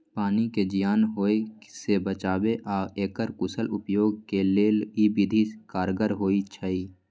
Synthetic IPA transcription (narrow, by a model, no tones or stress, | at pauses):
paːniked͡ʒɪjaːnɦoːesebət͡ʃaːbeʔaːeːkəɾkʊsəlʊpjoːɡ̚keleːlibɪd̪ʱikaːɾɡəɾɦoːit͡ʃʰəiː